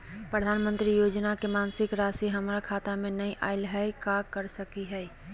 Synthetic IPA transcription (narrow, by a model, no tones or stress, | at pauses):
pɾəd̪ʱaːnmə̃nt̪ɾijoːd͡ʒnakemaːnsɪkɾaːsiɦɐmɾakʰaːt̪amẽnɐiʔa̰ːɪlɦaːikakɐɾsɐkiɦɛː